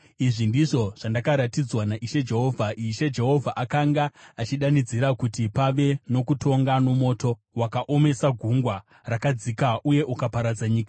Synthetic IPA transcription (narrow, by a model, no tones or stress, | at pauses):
iʐindiʐo̞ʐ̥andakaɾatid͡zwanaʔiʃe̞d͡ʒe̞ɦo̞ːvʱaʔiʃe̞d͡ʒe̞ɦo̞vʱaʔakaŋɡaat͡ʃiɗanid͡ziɾakutipaʋe̞no̞kutʰo̞ŋɡano̞mo̞ːto̞ | wakaʔo̞me̞saɡʱuŋɡwa | rakad͡zikaʔuje̞ʔukapaɾad͡zaɲiːka